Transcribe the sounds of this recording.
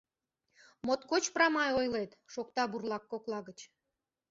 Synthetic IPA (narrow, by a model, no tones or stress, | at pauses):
mot̪kot͡ɕprɑmɑjojlet̪ʃok̚t̪ɑburlɑkːoklɑɣət͡ɕ